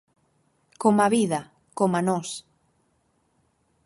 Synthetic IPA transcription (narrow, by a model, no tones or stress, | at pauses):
komaβiðɐ | komanɔs